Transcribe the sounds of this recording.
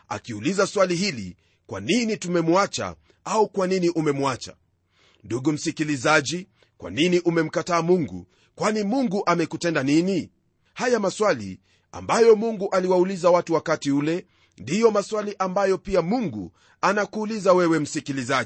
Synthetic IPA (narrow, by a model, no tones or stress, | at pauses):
a̰kiulizaswaliɦilḭ | kwa̰ninitumɛmuat͡ʃa̰ | aukwaniniʔumɛmuat͡ʃa̰ | nduɡum̩sikilizaʄi | kwa̰niniʔumɛm̩kataːmuŋɡṵ | kwanimuŋɡuʔamɛkutɛndanini | hajamaswalḭ | a̰mbajɔmuŋɡuʔaliwaulizawatuwakatiulɛ | ndijɔmaswaliʔambajɔpiamuŋɡṵ | anakuːlizawɛwɛm̩sikilizai